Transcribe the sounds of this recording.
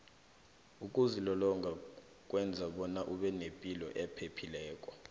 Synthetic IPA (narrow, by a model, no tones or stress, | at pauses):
uk̬ʼuzilɔlɔŋɡʱa | k̬ʼwɛnd͡zʱaɓɔnaʔuɓɛnepʼilɔ̰ʔɛpʰepʰilɛːkʼɔ̥